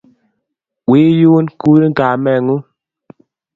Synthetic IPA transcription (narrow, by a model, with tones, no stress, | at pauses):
wi˦ju˦nku˦ɾi˦ɡa˨mɛ˦˨ŋu˦